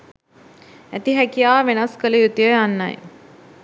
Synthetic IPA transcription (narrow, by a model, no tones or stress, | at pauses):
æt̪iɦækijaːʋenɐskələjut̪ijəjanːa̰j